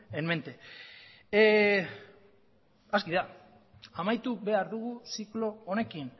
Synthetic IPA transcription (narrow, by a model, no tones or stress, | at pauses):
enme̞nt̪e̞ | askiða | amajt̪ube̞aɾðuɣusiklo̞one̞kin